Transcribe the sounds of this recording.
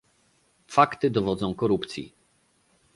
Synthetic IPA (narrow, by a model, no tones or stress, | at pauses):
fakt̪ɘd̪ɔvɔd̪zɔ̃w̃kɔɾupt̪sʲjḭ